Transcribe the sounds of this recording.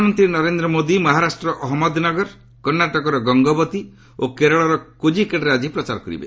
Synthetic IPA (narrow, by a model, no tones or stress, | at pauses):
mɔnt̪ɾinɔɾend̪ɾɔmod̪imɔɦaɾasʈɾɔʔɔɦɔmɔd̪nɔɡɔɾ | kɔɾnaʈɔkɔɾɔɡɔŋɡɔbɔt̪i | okeɾɔɭɔɾɔkod͡ʒikeɽɾead͡ʒipɾɔt͡ʃaɾɔkɔɾḭbḛ